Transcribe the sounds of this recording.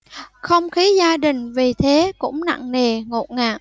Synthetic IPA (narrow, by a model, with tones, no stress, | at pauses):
xə˧wŋ͡mxi˨˦zaː˧ɗï˨˩ŋ̟vi˨˩t̪ʰe˨˦kʊ̰˧˥ŋ͡mna̰˧˨ŋne˨˩ŋo˨˩t̚ŋaː˨˩ʔ̚